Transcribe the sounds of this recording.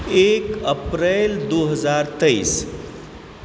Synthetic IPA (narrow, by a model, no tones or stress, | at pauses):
ekəpɾeld̪uɦəzaɾt̪əis